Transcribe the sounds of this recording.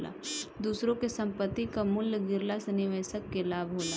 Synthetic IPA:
la̰ːd̪uːsɾõkesɐ̃mpət̪ːikamʊlːɡɪɾlasenɪʋeːsəkːelaːbʱɦoːla

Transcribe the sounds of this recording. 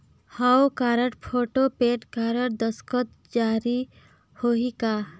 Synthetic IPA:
hawkaːɾəʈpʰoːʈopeːʈkaːɾəʈ̚d̪əskɔt̪ | d͡ʒaːɾi | hoɦika

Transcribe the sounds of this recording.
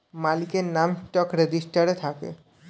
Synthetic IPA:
malikeɾnamsʈɔkɾed͡ʒisʈaɾet̪ʰakḛ

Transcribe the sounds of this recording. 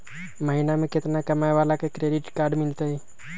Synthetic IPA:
məɦinameket̪nakəmaeʋalakekɾeɖiʈkaɾɖmilt̪əj

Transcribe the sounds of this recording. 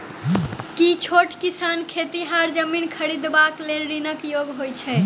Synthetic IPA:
kit͡ʃʰoʈkisankʰet̪iɦaɾd͡ʒəminkʰəɾid̪baklelɾinəkjoɡɦojt͡ʃʰɛ

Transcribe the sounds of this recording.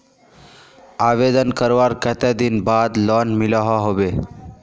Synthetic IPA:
aːʋed̪ənkəɾʋaɾkət̪ɛd̪inbaːd̪lɔːnmilaɦaɦobe

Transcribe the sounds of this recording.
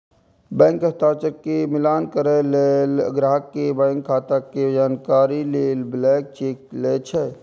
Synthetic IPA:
bɛ̃ːŋkət̪aːt͡ʃəɾkːemɪlaːnkəɾɛleləɡɾaːɦəkːebə̃ŋkʰːaːt̪aked͡ʒaːnkaːɾileːlblɛːk̚t͡ʃeːk̚let͡ʃʰɛ

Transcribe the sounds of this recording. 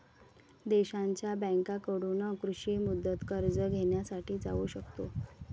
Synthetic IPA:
d̪eɕaɲt͡ɕjabɛ̃ŋkakəɽunəkɾuɕimud̪ːət̪kəɾd͡zəɡʱeɳjasaʈiːd͡zauːɕəkt̪o

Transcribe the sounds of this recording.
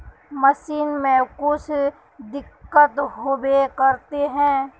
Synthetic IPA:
məʃiːnmẽkʊt͡ʃʰ | d̪ɪkːət̪ɦoːbekəɾt̪eɦɛ̃ː

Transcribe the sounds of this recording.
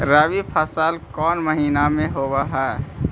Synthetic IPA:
ɾaːwipʰasaːlkɔːnməɦiːnamẽɦobaɦɛː

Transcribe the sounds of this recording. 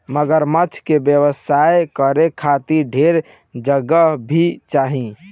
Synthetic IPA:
məɡəɾmət͡ʃʰkebjəwəsaekəɾekʰat̪iɾɖʱeɾ | d͡ʒəɡəɦbʱit͡ʃaɦĩ

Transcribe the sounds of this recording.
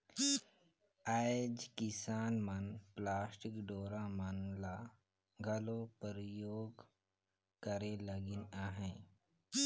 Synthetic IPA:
aɪd͡ʒkɪsaːnmɐnplaːsʈɪkɖoːɾamənla | ɡʱɐlõpəɾjoːɡ | kəɾeləɡɪnaːɦɛ̃ː

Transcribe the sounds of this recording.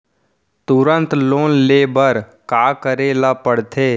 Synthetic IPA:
t̪ʊɾə̃nt̪loːnleːbəɾ | kaːkəɾeːlapəɽt̪ʰeː

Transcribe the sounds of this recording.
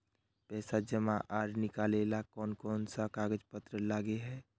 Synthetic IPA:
pɛːsad͡ʒəmãʔaːɾnɪkaːlelakɔːnkɔːnsakaːɡəd͡ʒpət̪ɾəlaːɡeɦɛː

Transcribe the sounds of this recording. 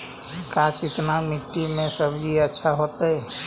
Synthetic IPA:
kãt͡ʃɪt̪namiʈ̪ːimẽsəbd͡ʒiətːʃʰaɦot̪ə

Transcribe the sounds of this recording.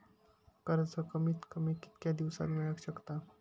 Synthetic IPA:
kəɾət͡səkəmiːt̪kəmiki̥t̪kʲjad̪iʋsa̰t̪meɾaɡɕəkt̪a

